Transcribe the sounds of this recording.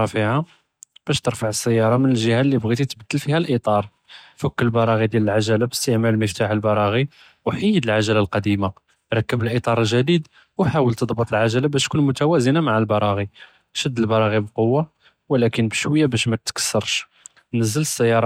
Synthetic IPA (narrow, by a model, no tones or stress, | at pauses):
ɑfiʕa | b̥æʃt̪əɾfaʕəsːæjːɑɾˤɑmənəlʒəhælːibɣit̪it̪bəd̪ːəlfihælʔit̪ˤɑɾˤ | fəkːəllbɑɾˤɑɣid̪jæləlʕaʒælabəst̪əʕmælməft̪aħəlbɑɾˤɑɣi | wħəjːəd̪əlʕaʒælalqɑd̪ima | ɾˤɑkːəbəlʔit̪ˤɑɾˤəlʒæd̪id̪ | wħawəlt̪əd̪ˤbət̪ˤəlʕaʒælabæʃt̪̚kunmʊt̪æwæzənamaʕalbɑɾˤɑɣi | ʃəd̪ːəlbɑɾˤɑɣibqowːa | wəlækənbəʃwəjːabæʃmæt̪kə̥sːəɾˤʃ | nəzːələsːəjːɑɾˤɑ